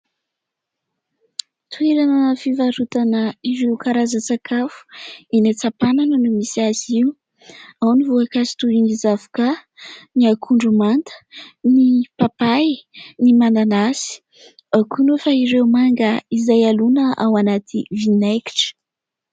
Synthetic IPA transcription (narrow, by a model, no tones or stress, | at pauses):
t̪ueɾanəfivaɾut̪anəiɾewkaɾazət͡sakʰafu̥enat͡sapananənumisiaziu | awnivuakasi̥t̪uinizavu̥kaniakʰuɳɖ͡ʐumant̪ə̥nipapajnimananasi̥ | akunufaiɾewmaŋɡəizajalunəʔawanat̪ʰivinajki̥ʈ͡ʂə̥